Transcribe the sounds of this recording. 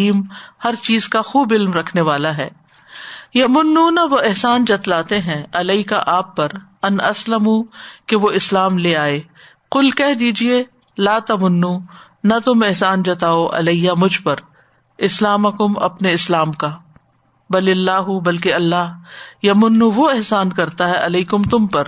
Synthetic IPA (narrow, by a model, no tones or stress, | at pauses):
iːmhɐɾt͡ʃiːzkaxuːbɪlmɾɐkʰneʋaːlaɦɛː | jɐmʊnːunɐʋoɪɦsaːnd͡ʒɐt̪laːt̪eɦɛ̃ɐlɐika̰ʔaːpːɐɾ | ɐnɐslɐmukeʋoɪslaːmleːaːeː | qʊlkɛɦd̪iːd͡ʒie | laːt̪ɐmʊnːu | nɐt̪ʊmeɦsaːnd͡ʒɐt̪aːoʔɐ̰lɐijamʊd͡ʒʱpɐɾ | ɪslaːmɐkʊmɐ̰pneɪslaːmka | bɐlɪlːaːɦubɐlkeɐlːaːɦjɐmʊnːuʋoɪɦsaːnkɐɾt̪aɦɛʔɐlɐikʊmt̪ʊmpɐɾ